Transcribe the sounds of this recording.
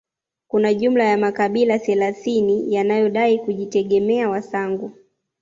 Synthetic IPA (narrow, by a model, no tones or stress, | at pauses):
kunaʄum̩lajamakaɓilaθɛlaθinijanajɔɗaikuʄitɛɠɛmɛawasaŋɡu